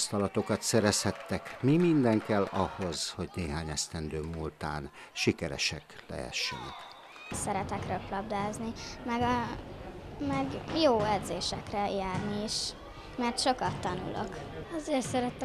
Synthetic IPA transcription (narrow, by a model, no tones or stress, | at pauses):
st̪ɒlɒt̪o̞kɒt̪sɛɾɛshɛt̪ːɛkmimind̪ɛŋkɛlːɒho̞z̥ho̞ɟneːɦaːɲɛst̪ɛnd̪øːmult̪a̰ːn | ʃikɛɾɛ̰ʃɛklɛ̰ɛ̰ʃːɛ̰nɛ̰k | sɛɾɛt̪ɛkrøklɒbd̪aːznimɛɡɒ | mɛɡjoːɛd̪zeːʃɛkrɛjaːrniːʃ | mɛrt̪ʃo̞kɒt̪ːɒnṵlʔo̰k | ɒzeːrt̪sɛɾɛt̪ɛ